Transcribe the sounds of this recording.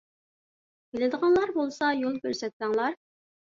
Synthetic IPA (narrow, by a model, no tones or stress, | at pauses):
kʲelɪd̪əʁɑnlˠɑɾbolˠsɑjolˠkʲøɾsɛt̪̚sɛŋlˠɑɾ